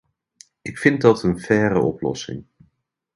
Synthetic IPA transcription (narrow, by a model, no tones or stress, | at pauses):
ʔɪkfɪnt̚dɑtənv̥ɛːɾə̰ʔɔ̰plɔ̰sɪ̰ŋ